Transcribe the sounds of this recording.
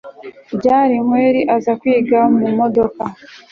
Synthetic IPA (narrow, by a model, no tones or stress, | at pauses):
ɟaːɾiŋweːɾiʔazakwiːɡamumo̞do̞ka